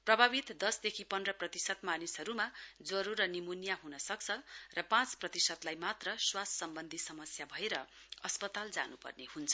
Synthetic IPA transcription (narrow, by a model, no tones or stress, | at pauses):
prʌbʱabit̪d̪ʌsd̪ekʰipʌndrʌprʌt̪isʌt̪manisɦʌɾumad͡zʌɾuɾʌnimunjaɦunʌsʌk̚t͡sʰʌrʌpãt͡sprʌt̪isʌd̪lajmat̪rʌswassːʌmbʌnd̪ʱisʌmʌsjabʱʌeɾʌʌspʌt̪ald͡za̰nupʌ̰rnehunt͡sʰʌ̥